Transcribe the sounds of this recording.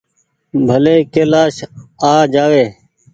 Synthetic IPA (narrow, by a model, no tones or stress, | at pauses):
bʱəleːkeːlaːʃaːd͡ʒaːʋeː